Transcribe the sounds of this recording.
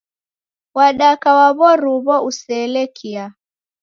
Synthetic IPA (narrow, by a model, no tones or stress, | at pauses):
waɗakawaβɔɾuβɔusɛlɛkʰia